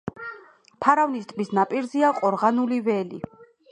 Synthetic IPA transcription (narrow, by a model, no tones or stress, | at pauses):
pʰaɾavnist̪ʼmisnapʼiɾziaqʼɔɾʁanulivɛlḭ